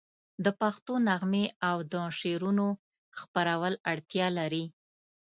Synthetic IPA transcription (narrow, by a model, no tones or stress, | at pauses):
d̪əpaxt̪onaɣmeawd̪əʂeɾuno | xpaɾawəlaɽt̪jɑlaɾi